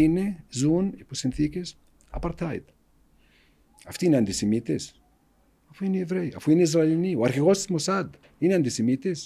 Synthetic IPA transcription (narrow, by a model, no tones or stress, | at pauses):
inezunipusenθikes | a̰paɾt̪ajt̪ | aft̪ineant̪isemit̪es | afuinevɾeja̰fuineizɾalniwaɾxeɣostmosad̪ | ineant̪isemit̪es